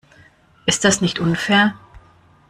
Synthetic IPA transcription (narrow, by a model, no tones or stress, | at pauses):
ʔɪst̚d̥asnɪçtʔʊnfɛːɐ